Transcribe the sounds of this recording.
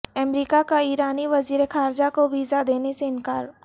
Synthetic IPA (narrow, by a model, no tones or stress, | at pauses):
ɛmɾiːkakaiːɾaːniʋɐziːɾexaːɾd͡ʒakoʋiːzad̪eːneseɪnkaːɾ